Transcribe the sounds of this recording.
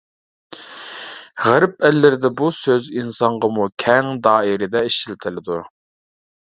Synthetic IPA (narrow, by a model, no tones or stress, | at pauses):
ʁæɾɪp̚ælːɪɾɪd̪ɛbusøzinsɑɴʁɑmukʲʰɛŋd̪ɑːɪɾɪd̪ɛiʃilt̪ʰɪlɪd̪u